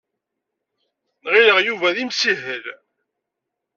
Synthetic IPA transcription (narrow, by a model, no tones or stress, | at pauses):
nʁiləʁjuvæðimsiɦəl